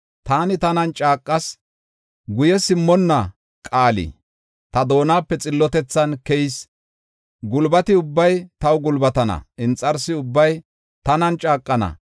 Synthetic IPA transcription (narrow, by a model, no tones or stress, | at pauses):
t̪aːnɪt̪ɐnɐnt͡ʃʼaːkʼːɐs | ɡʊjɛsɪmːɔnːɐ | kʼaːlḭ | t̪ɐd̪o̞ːnaːpːɛt͡sʼɪlːɔt̪ɛt͡sːɐnkɛjs | ɡʊlbɐt̪ɪʊbːɐjt̪ɐwɡʊlbɐt̪ɐnɐ̰ʔɪnt͡sʼːɐɾsɪʊbːɐj | t̪ɐnɐnt͡ʃʼaːkʼːɐnɐ̰